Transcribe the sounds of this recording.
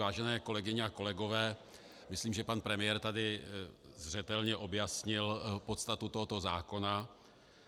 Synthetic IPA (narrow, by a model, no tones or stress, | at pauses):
vaːʒɛnɛːko̞lɛɡɪɲɛako̞lɛɡo̞vɛː | mɪsliːmʒɛpanpɾɛmɪjɛɾt̪adɪzr̝ɛt̪ɛlɲɛʔo̞bjasɲɪlpo̞t̪st̪at̪ut̪oɦo̞t̪o̞zaːko̞na